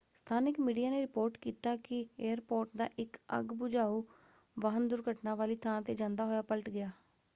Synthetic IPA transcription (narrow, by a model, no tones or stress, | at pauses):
st̪ʰaːnɪkmiːɖijaːneːɾɪpoːɾʈkiːt̪aːkɪeːəɾpoːɾʈd̪a̰ːʔɪkə̰ɡbʊd͡ʒaːuː | ʋaɦənd̪ʊɾkəʈnãːʋaːliːt̪ʰãːt̪eːd͡ʒãːnd̪aːɦoːjaːpəlʈɡɪjaː